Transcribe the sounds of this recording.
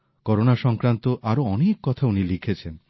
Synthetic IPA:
kɔɾonaʃɔŋkɾant̪oʔaɾoɔnekːɔt̪ʰaunilikʰet͡ɕʰen

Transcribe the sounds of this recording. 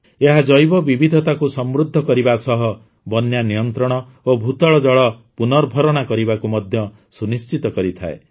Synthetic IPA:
eɦad͡ʒɔjbɔbibʱid̪ʱɔt̪akusɔmɾud̪ʱːɔkɔɾibasɔɦɔ | bɔnjanijɔnt̪ɾɔɽ̃ɔ | obʱut̪ɔɭɔd͡ʒɔɭɔpunɔɾbʱɔɾɔɽ̃akɔɾibakumɔd̪ʱjɔ | sunist͡ʃit̪ɔkɔɾit̪ʰa̰e

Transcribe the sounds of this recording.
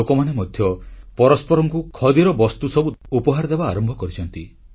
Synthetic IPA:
okɔmanemɔd̪ʱjɔpɔɾɔspɔɾɔŋkukʰɔd̪iɾɔbɔst̪usɔbuupɔɦaɾd̪ebaːɾɔmbʱɔkɔɾit͡ʃʰɔnt̪i

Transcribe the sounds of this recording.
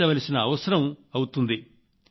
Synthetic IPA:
ɐʋɐlisinɐːʋɐsɐɾɐmɐwut̪und̪i

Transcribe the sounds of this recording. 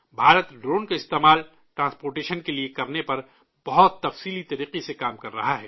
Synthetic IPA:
bʱaːɾət̪ɖɾoːnkaɪst̪eːmaːl | ʈɾãːspoːɾʈeːʃənkeliekɐɾnepɐɾ | b̥ɐɦɔt̪ːɐfsiːlit̪ɐɾiːqisekaːmkɐɾːɐɦaɦɛː

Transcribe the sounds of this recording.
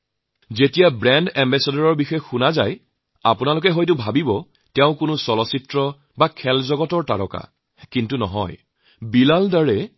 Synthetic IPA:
zetijabɹɛndɛmbɛsadɔɹɔɹbixɔjxunaza̰j | apʊnalʊkɛɦojtʊbʱabibɔ | tɛʊ̃kʊnʊsɔlɔsitɹɔ | bakʰɛlzɔɡɔtɔɹta̰ɹɔ̰ka̰ | kintunɔ̰ɦɔ̰j | bilaldaɹɛ

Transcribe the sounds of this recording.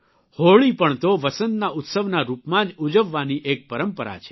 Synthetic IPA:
hoɭipəɳt̪oʋəsənnaʔʊt̪səʋnaɾupmãd͡ʒud͡ʒəʋːaniʔek̚pəɾəmpəɾa̰t͡ʃʰe̥

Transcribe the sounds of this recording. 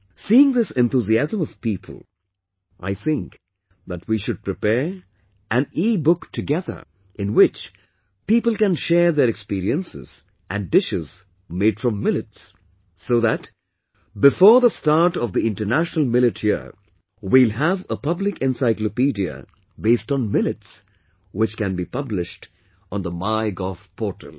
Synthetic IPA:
siːɪ̃ŋðɪsɛ̃nθuziæzə̃mʌv̥piːpʰə̰l̩ˠ | ʔa̰ɪθɪ̃ŋk | ðætwiʃʊd̚pɹɨpɛɹ | ʔæ̃nibʊktʰɨɡɛðə̰˞ | ʔɪ̃nwɪt͡ʃ | piːpəl̩ˠkæ̃nʃɛːɹðəɾɛkspiɾiə̃nsɪ̰z̥ | ʔæ̰̃ndɪʃɪz̥ | meɪɖfɹʌ̃mːɪlɨtsː | oːðæt | bɪfɔːɹðəstɑɹʈɔvd̪iɪ̃ntə˞næʃnəlˠmɪlɪtʰhḭ | wilɦævəpʌblɪkɛ̃nsaɪklopidiə̰ | beɪstɔ̃n̩mɪlɨts | wɪt͡ʃkæ̃nbipʌblɪʃt | ɔ̃nðəmaɪɡɔfpʰɔɹʈʰə̰l

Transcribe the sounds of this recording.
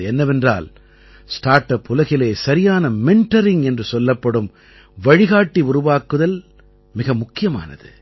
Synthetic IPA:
ɛnːɐʋɛndra̰ːl | sʈaːɾʈːɐpːʊlɐɣɪleːsɐɾɪjaːnɐmɛɳʈɐɾɪŋɛndrɯsɔlːɐpːɐɽɯm | ʋɐɻɪɣaːʈːiʊɾʊʋaːkɯðɐl | mɪɣɐmʊkːɪjɐma̰ːnɐ̰ðɯ̰

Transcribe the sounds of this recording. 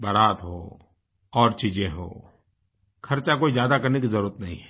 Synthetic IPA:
bɐɾaːt̪ɦo̰ː | ɔːɾt͡ʃiːd͡ʒẽɦo̰ː | kʰɐɾt͡ʃakoːizjaːd̪akɐɾnekizɐɾuːɾət̪nɐɦĩɛ

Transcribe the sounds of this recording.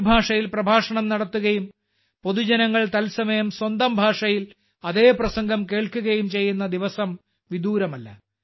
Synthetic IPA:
bʱaːʂɐjilprɐbʱaːʂɐɳɐmnɐɽɐt̪ːuɣɐjum | po̞ðud͡ʑɐnɐŋːɐɭt̪ɐlsɐmɐjɐmswɐnd̪ɐmbʱaːʂɐjil | ɐðe̞ːprɐsɐŋɡʱɐmke̞ːɭkuɣɐjumt͡ɕe̞jːunːɐd̪iʋɐsɐm | ʋid̪uːɾɐmɐlːɐ̰

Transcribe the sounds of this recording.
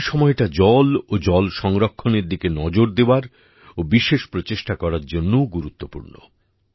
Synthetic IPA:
ʃɔmɔeʈad͡ʑɔlod͡ʑɔlʃɔŋɾokʰːoneɾd̪ikenɔd͡ʑoɾd̪eoaɾ | obiʃeʃpɾot͡ɕeʃʈakɔɾaɾd͡ʑonːooɡuɾut̪ːopṵɾno̰

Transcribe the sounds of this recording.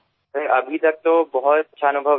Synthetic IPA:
pɪɾɐbʱit̪ɐk̚t̪obɔɦʊt̪ːʃʰaːnʊbʱə

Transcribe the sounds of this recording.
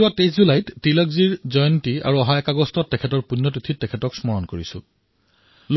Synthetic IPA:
uateszulajttilɔkziɹzɔjɔntia̰ɹuɔɦaɛkaɡɔstɔtːɛkʰɛtɔɹpunːɔtutʰitːɛkʰɛtɔksmɔɹɔnkoɹisʊ̰̃ | l

